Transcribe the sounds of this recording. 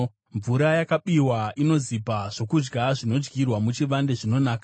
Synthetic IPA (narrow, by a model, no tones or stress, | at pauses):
ɱvuɾajakaɓiwaʔino̞zipaʐ̥o̞kud͡ʒɡaʐino̞d͡ʒɡirwamut͡ʃiʋande̞ʐino̞naːka